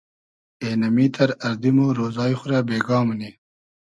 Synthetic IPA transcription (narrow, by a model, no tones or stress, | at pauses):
eːnɐmit̪ʰɐɾɐɾd̪imoɾoːzɑːjixʊɾabeːɡɑːmni